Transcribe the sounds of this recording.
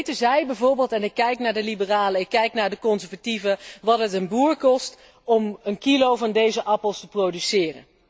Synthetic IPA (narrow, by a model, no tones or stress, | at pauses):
təzɛjbɛjvʊːɹbɪːlˠtɛnɪkːɛjknaːɹdəlibəraːləɪkːɛjknaːɹdəkɔnzɛɹvativəʋɑtɦətənbuːɹkɔst | ɔmənkilowvɑndejzəʔɑpəlˠstəprowdysɪːrə̰n